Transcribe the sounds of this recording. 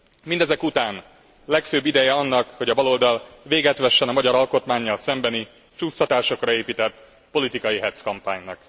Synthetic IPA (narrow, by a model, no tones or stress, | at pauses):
mind̪ɛzɛkut̪aːn | lɛkføːbːid̪ɛjɛɒnːɒkho̞ɟɒbɒlo̞ld̪ɒlʋeːɡɛt̪ʋɛʃːɛnɒmɒɟɒɾɒlko̞t̪maːɲːɒlsɛmbɛni | t͡ʃuːsɒt̪aːʃo̞krɒeːpit̪ɛt̪ː | po̞lit̪ikɒjiɦɛt̪skɒmpaːɲnɒk